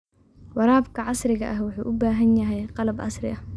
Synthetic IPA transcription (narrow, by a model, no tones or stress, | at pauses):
wɑɾɑːbkʰɐʕɑsrɪɣɐʔɐhwʊħuːʔʊbaːɦɐnjɐɦɛjqɑlɐbʕɑ̰srɪ̰ʔɐh